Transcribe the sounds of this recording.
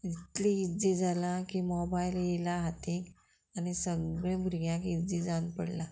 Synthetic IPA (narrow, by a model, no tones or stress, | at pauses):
it̪liid͡zed͡zalãkimɔbailjelaɦat̪ʰẽk | anisəɡɭãbʱɾɡjãkid͡zed͡zãnpəɽla